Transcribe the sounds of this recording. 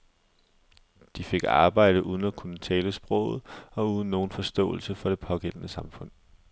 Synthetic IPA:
d̥ife̝ɡ̥ɑ̈ːb̥ɑ̈ɪ̰ɾ̥əʔuːð̞ˠn̩ækʰunət͡sʰɛːləsb̥ʁɔ̰ʊð̩ˠɒ̽uːðˠn̩ːo̝ːn̩fɒ̽sd̥ɔ̰̽ːl̩səfɒ̽ɾ̥e̝pʰɒ̽ɡ̥en̰nəsɑ̈mfɔ̽n̰

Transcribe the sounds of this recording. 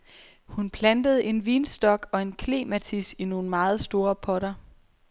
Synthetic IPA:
hunpʰlænd̥əð̞̩ˠe̝nʋiːnsd̥ɒ̽ɡ̥ɒ̽e̝nkʰle̝̰ːmæt͡sʰisino̝ːn̩mɑ̈ːð̞̩ˠsd̥o̝ːɐpʰɒ̽ɾɐ

